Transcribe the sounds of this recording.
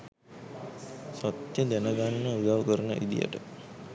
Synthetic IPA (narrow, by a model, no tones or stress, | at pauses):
sɔt̪jəd̪ænəɡanːəud̪aʋkəɾənə̰ʔid̪ḭjə̰ʈə